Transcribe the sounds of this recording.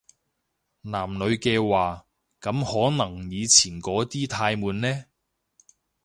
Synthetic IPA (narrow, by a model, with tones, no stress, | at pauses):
naː˨˩mnɵ˨˧ɥkɛː˧waː˨ | kɐ˨˧mhɔː˨˥nɐ˨˩ŋjiː˨˧t͡sʰiː˨˩nkɔː˨˥t̪iː˥t̪ʰaː˧jmuː˨˧nnɛː˥